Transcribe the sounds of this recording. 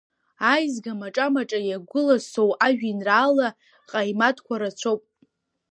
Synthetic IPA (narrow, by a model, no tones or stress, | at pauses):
ajzɡamaʈ͡ʂʼamaʈ͡ʂʼajaɡʷʊlasowaʒᶣinraːla | qʼajmatʰkʷʰaɾat͡ɕʷʰowpʼ